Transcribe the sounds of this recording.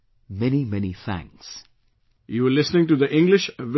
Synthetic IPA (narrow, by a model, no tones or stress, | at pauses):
mɛnimɛniθæ̰̃ŋks | juəlɪsnɪ̃ŋʈud̪əʔɪ̃ŋɡlɪʃʋ